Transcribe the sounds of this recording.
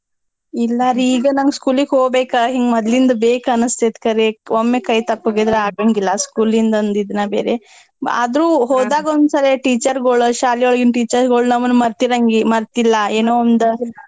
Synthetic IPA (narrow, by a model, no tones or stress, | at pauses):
ilːɐːɾiiːɡɐnɐŋɡskuːliɡɦoːɡbeːkɐɦiŋɡmɐd̪lind̪ɐbeːkɐnɐst̪eɐt̪kɐɾeʋomːekɐjt̪ɐpːoɡed̪ɾeaːɡɐŋɡilːɐskuːlind̪ɐond̪id̪nɐbeːɾe | ɐ̰d̪ɾuːɦoːd̪aːɡɐond̪sɐleʈiːt͡ʃɐɾɡoɭuʃaːlioɭɡinʈiːt͡ʃɐɾɡoɭnɐmːɐnːumɐɾt̪iɾɐŋɡimɐɾt̪ilːɐeːnoːond̪ɐ